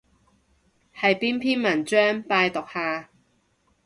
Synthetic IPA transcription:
hɐ˨jpiː˥npʰiː˥nmɐ˨˩nt͡ʃœː˥ŋpaː˧jt̪ɔ˨k̚haː˨˧

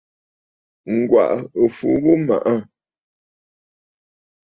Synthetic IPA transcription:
ŋ̩˨ɡwa̰˨ʔə˨fu˨bu˦ma̰˨ʔa˦

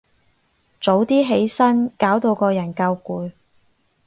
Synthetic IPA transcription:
t͡so˨˥wt̪iː˥ɦe˨˥jsɐ˥nkaː˨˥wt̪o˧wkɔː˧jɐ˨˩nkɐ˧wkuː˨˧˥j

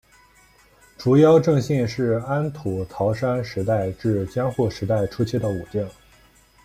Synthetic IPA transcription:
ʈ͡ʂu˧˥jɑ˥ʊʈ͡ʂɤ˥˧ŋɕɛ˥˧nʂɻ̩˥˩a˥nt̪ʰu˨˩t̪ʰɑ˧˥ʊʂa˥nʂɻ̩˧˥t̪a˥˧ɪʈ͡ʂɻ̩˥˩t͡ɕjɑ˥ŋxu˥˩ʂɻ̩˧˥t̪a˥˩ɪʈ͡ʂʰu˥t͡ɕʰi˥˩d̪ə˩u˨˩t̪ji˥˩ŋ

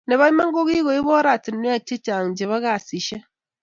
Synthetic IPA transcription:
ne˨βa˦ɲi˦ma˦ŋ̩˦ɡo˦ɣi˦ɣo˨i˦βɔ˦ɾa˨ti˨nː˦i˦a˦˨t͡ʃi˦t͡ʃa˨ŋ̩˨d͡ʒe˨βa˦ɣa˨si˨ʃe˦

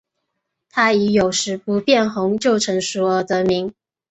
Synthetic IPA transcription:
t̪ʰa˥i˧˥jo˨˩ʊʂɻ̩˧˥pu˧˥pjɛ˥˩nxʊ˧˥ŋt͡ɕjo˥˩ʊʈ͡ʂʰɤ˧˥ŋʂu˨˥ə˧˥t̪ɤ˧˥mi˧˥ŋ

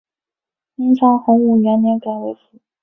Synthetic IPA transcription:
i˥nsʰɑ˧˥ŋxʊ˧˥ŋu˨˩ɥɛ˧˥nnjɛ˧˥ka˧˩ɪwe˧˥ɪf̩˨˦

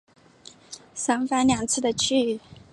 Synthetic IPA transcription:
sa˥ŋfa˥nljɑ˨˩ŋt͡sʰɹ̩˥˩d̪ə˨t͡ɕʰy˥˩˨

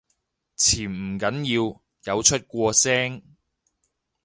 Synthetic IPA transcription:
t͡sʰiː˨˩n̩˨˩kɐ˨˥njiː˧w | jɐ˨˧wt͡ʃʰɵ˥t̚kʷɔː˧sɛː˥ŋ

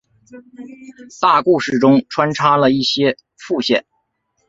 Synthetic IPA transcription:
t̪a˥˧ku˥˧ʂɻ̩˥˩ʈ͡ʂʊ˥ŋʈ͡ʂʰwa˥nʈ͡ʂʰa˥lə˨i˥˩ɕjɛ˥ | fu˥˧ɕjɛ̰˥˩˦n

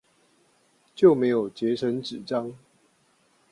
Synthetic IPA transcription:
t͡ɕjo˥˨ʊme˧˦ɪjo˨˩ʊt͡ɕjɛ˨˥ʈ͡ʂʰə˧˦nʈ͡ʂɻ̩˨˩ʈ͡ʂɑ˦ŋ

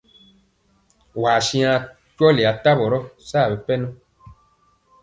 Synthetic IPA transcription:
waː˨ʃĩ˦ã˧ | t͡ʃɔ˦le˨a˨ta˦bɔ˨ɾɔ˦sa˦˨bɛ˨pɛ˦nɔ̃˦

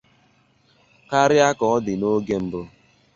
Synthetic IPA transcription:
ka˦ɾɪ˦a˦kɔ˨ɔ˦dɪ˨no˦ɡe˦m̩˨bʊ˦

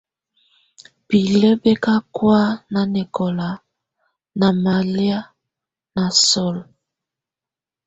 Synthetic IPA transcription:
bi˨le˦be˦ka˦kwa˦na˨nɛ˨kɔ˨la˨ | na˨ma˨lja˦ | na˨sɔ˦l

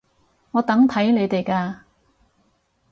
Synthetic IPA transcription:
ŋɔː˨˧t̪ɐ˨˥ŋt̪ʰɐ˨˥jne˨˧jt̪e˨jkaː˧

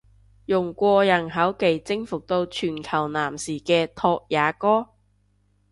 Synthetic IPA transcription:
jʊ˨˩ŋkʷɔː˧jɐ˨˩nɦɐ˨˥wke˨jt͡sɪ˥ŋfʊ˨k̚t̪o˧wt͡ʃʰyː˨˩nkʰɐ˨˩wnaː˨˩msiː˨˩kɛː˧t̪ʰɔː˧k̚jaː˨˥kɔː˥

